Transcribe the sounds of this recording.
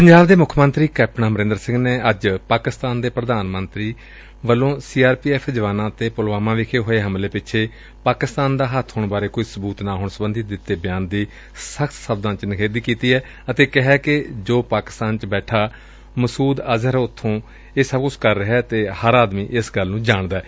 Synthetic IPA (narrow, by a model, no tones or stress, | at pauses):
pəɲd͡ʒaːbd̪eːmʊkʰmənt̪ɾiːkɛːp̚ʈnãːməɾɪ̃ːnd̪əɾsɪ̃ŋɡneːəd͡ʒpaːkɪst̪aːnd̪eːpɾəd̪aːnmənt̪ɾiː | ʋəlːõːsiːaːɾpiːɛːpʰd͡ʒəʋaːnãːt̪eːpʊlʋaːmãːʋɪkʰeːɦoːeːɦəmleːpɪt͡ʃʰeː | paːkɪst̪aːnd̪aːɦət̪ʰɦoːɳbaːɾeːkoːiːsəbuːt̪naːɦoːɳsəbənd̪iːd̪ɪt̪ːeːbɪjaːnd̪iː | səkʰt̪səb̚d̪ãːt͡ʃənəkʰeːd̪iːkiːt̪iːɛː | ət̪eːkəɦɛːkɪd͡ʒoːpaːkɪ̥st̪aːnt͡ʃbɛːʈʰaː | məsuːd̪əzəɾʊt̪ʰːõː | eːsəb̚kʊt͡ʃʰkəɾːəɦɛːt̪eːhəɾaːd̪miːʔɪsɡəlnũːd͡ʒaːɳd̪aɛː